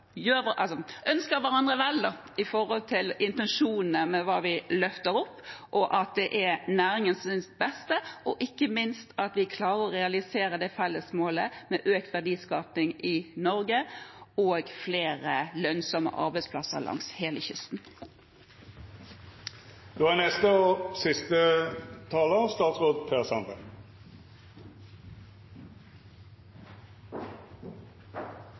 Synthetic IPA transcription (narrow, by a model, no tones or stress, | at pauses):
jøːʔɑsɔʔœnskəɾʋæʁɑnd̪ʁəʋɛlə | ɪfɔɾhɔlt̪ʰɪlɪnt̪ɛnʂuːnn̩əmɛʋɑːʋɪlœft̪əɾɔpːʔɔʔɑt̪̚d̪ɛʔænæːɾɪŋənsɪnsbɛst̪əɔʔɪkːəmɪnst̪ʰɑt̪ʋɪkʰlɑːʁəɾɔɾɛɑlɪseːɾəd̪ɛfɛlːəsmoːləmɛʔøːkt̪ʋæɖiːskɑːpnɪŋɪnɔɾɡəoːɡfleːʁəlœnsɔmə̰ʔɑ̰ʁbɛɪspʰlɑsə̰ʁlʔɑ̰ŋsheːləçʏst̪n̩ | d̪̥oːænɛst̪əɔsɪst̪ət̪ʰɑːləst̪ɑːt̪sʁoːd̪pʰeːʁsɑnd̪ə